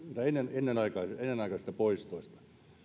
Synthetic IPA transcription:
nit̪æenːenenːenɑikɑːenːenɑˑikɑːsit̪æpoist̪oist̪ɑ̥

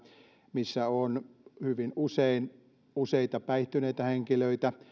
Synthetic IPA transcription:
misːæonhyʋinusein | useit̪ɑpæiht̪yneit̪æheŋkiløit̪æ

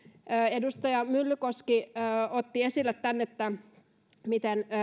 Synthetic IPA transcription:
øːedust̪ɑjɑmylːykoskiːot̪ːiesilːˑet̪t̪ːænːet̪ːæ | mit̪en

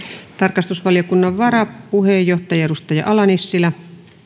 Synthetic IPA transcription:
t̪ɑrkɑst̪usʋɑlijokunːɑʋʋɑɾɑpuɦejːoht̪ɑjɑeɾust̪ɑjɑ̰ʔɑlɑnisːilɑ

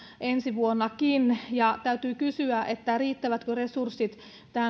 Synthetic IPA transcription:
ʔensiʋuonːɑkinjɑt̪æyt̪yːkysyæʔet̪ːæriːt̪ːæʋæt̪køresursːit̪ | t̪æː

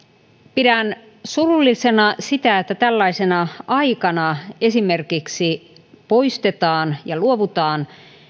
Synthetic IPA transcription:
pidæn | surulːisenɑsit̪æet̪ːæt̪ælːɑisenɑʔɑikɑnɑe̞simerkiksi | po̞ist̪et̪ɑːnjɑluoʋut̪ɑːn

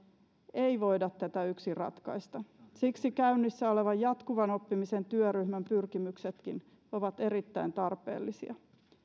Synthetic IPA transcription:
e̞iʋo̞jdɑt̪ːæt̪æyksirɑ̰t̪kɑ̰jst̪ɑsiksikæynːisːæo̞le̞ʋɑjjɑt̪kuʋɑno̞pːimise̞nt̪yøryhmæmpyrkimykset̪kin | oʋɑt̪e̞ɾit̪ːæint̪ɑrpḛːlːisiɑ

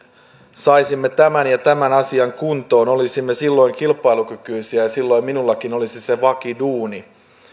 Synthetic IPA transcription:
sɑisimːet̪æmænjɑt̪æmænɑsiɑŋkunt̪o̞ːno̞lisimːesilːo̞iŋkilpɑjlukykyisiæjɑsilːo̞iminulːɑkino̞lisiseʋɑkiduːni

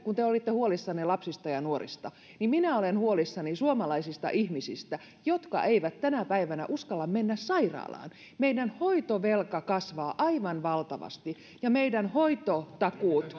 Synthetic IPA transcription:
kunt̪eolit̪ːehuolisːɑnilɑpsist̪ɑjɑnuorḭst̪ɑ | nimminæolenhuolisːɑnisuomɑlɑisist̪ɑ̰ʔihmisist̪æ | jot̪kɑ̰ʔeiʋæt̪t̪ænæpæiʋænæ̰ʔuskɑlːɑmmenːæssɑirɑ̰ːlɑ̰ːn | meidænhoit̪oʋelkɑkɑsʋɑːʔɑiʋɑnʋɑlt̪ɑʋɑ̰st̪i | jɑmeidænhoit̪ot̪ɑkuːt̪

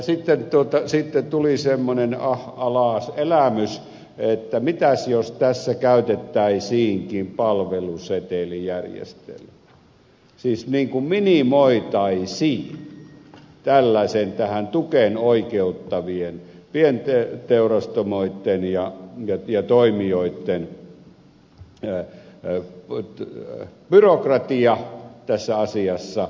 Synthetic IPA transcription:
jɑsit̪ːent̪uot̪ɑsiˑt̪ːet̪ulisemːonenɑhɑlɑˑselæmys | et̪ːæmit̪æsjost̪æsːækæyt̪et̪ːæisiːŋkimpɑlʋeluset̪elijærjḛst̪ḛlmmæ | siːsniːŋkumminimoit̪ɑisiːn | t̪ælːæisent̪æhænt̪ukenoikeut̪ːɑʋien | pient̪et̪eurɑst̪omoit̪ːenjɑjɑjɑt̪oimioit̪ːen | b̥yrokrɑt̪iɑt̪æsːæɑsiɑsːɑ

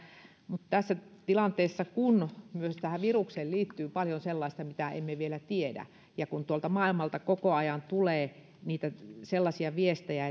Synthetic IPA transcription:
mut̪t̪æsːæt̪ilɑnt̪eːsːɑkunmyøst̪æhæʋirukseːlliːt̪ːyːpɑljonselːɑist̪ɑmit̪æḛmːeʋielæt̪iedæ̰ | jɑkunt̪uolt̪ɑmɑilmɑlt̪ɑkokoɑjɑnt̪uleː | niːt̪æselːɑsiɑʋiest̪æjæ

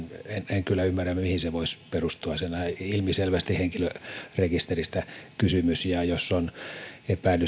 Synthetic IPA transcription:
eneŋkylːæymːærːæmmihiseʋoisperust̪uɑsenæilmiselʋæst̪iheŋkilørekist̪erist̪ækysymysjɑjosːonepæˑinːy

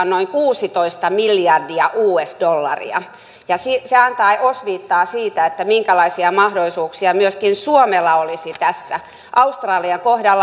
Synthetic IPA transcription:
nnoiŋkuːsit̪oist̪ɑmiliɑrdiɑʔuːesdolːɑ̰rḭɑ̰ | jɑsiseɑnt̪ɑiʔosʋiːt̪ːɑːsiːt̪æet̪ːæmiŋkælɑisiɑmɑhdolˑisuːksiɑmyøskinsuomelːɑolisit̪æsːæ | ʔɑust̪rɑːliɑŋkohdɑlː

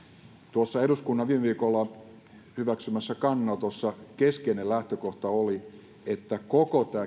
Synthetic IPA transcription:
t̪uosːɑeɾuskunːɑʋiːmeʋiːkolːɑ | hyʋæksymæsːækɑnːɑt̪osːɑkeskeinelæht̪økoht̪ɑoli | et̪ːækokot̪æː

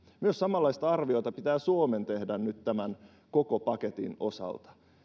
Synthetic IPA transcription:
myøsɑmɑlːɑist̪ɑɑrʋio̞t̪ɑpit̪æːsuoment̪ehdænnyt̪t̪æmæn | kokopɑket̪ḭno̞̰sɑ̰lt̪ɑ̥

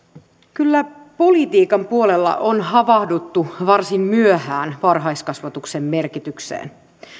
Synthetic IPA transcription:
kylːæpo̞lit̪iːkɑmpuo̞lelːɑ̰ʔonɦɑʋɑhdut̪ːuʋɑrsimmyøhæːnʋɑrɦɑjskɑsʋɑt̪uksemːe̞rkit̪yksḛːn

